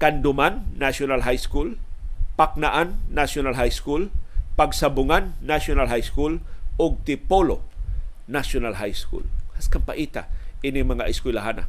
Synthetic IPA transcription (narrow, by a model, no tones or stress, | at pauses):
kand̪ʊmanːasonalɦajskulpak̚naʔanːasonalɦajskulpɐɡsabʊŋanːasonalɦajskulʊɡ̚t̪ɪpolo | naʃʊnalɦajskṵlhaskampaʔiːt̪a̰ʔɪnɪŋmɐŋaʔɪskwɪlaɦana̰